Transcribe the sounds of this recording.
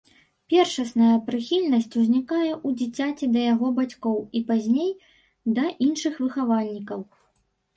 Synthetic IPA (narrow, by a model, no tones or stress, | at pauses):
pʲɛrʂɐsnɐjɐpɾɨxʲilʲnɐsʲt͡sʲuzʲnʲikajɛʔud͡zʲit͡sʲat͡sʲid̪ɐjaɣɔbat͡sʲkɔwipazʲnʲej | d̪ɐʔinʂɨxvɨxavalʲnʲikɐw